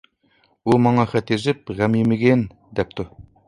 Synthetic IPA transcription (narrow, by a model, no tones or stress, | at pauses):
umɑɴɑχæt̪eʒɪp̚ʁæmjemeɡʲen | d̪ɛp̚t̪ʰʊ